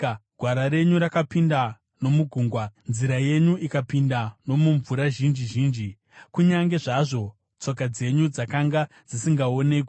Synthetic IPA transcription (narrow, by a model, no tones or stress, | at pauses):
ɡ̥ʱwaɾaɾe̞ɲuɾakapinda | no̞muɡʱuːŋɡwanziɾaje̞ɲuʔikapindano̞muɱvuɾaʒind͡ʒiʒiːnd͡ʒi | kuɲaŋɡe̞ʐaʐo̞ | t͡so̞kad͡ze̞ɲud͡zakaŋɡa | d͡zisiŋɡao̞ne̞k